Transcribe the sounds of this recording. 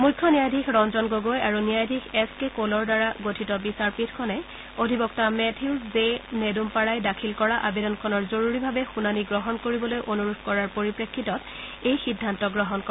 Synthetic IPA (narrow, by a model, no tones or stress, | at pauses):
mujkʰːɔnijajdʱikʰɹɔnzɔnɡoɡojaɹunijajdʱikʰɛskekolɔɹdaɹaɡotʰitɔbisaɹpitʰkʰɔnɛ | odʱibɔktamɛtʰiszenedumpaɹajdakʰilkɔɹaʔabedɔnkʰɔnɔɹzoɹuɹibʱabɛxunaniɡɹɔɦɔnkoɹibɔlojʔonuɹudʱkɔɹaɹpoɹipɹekʰːitɔt | ejxidʱːantɔɡɹɔɦɔnkɔ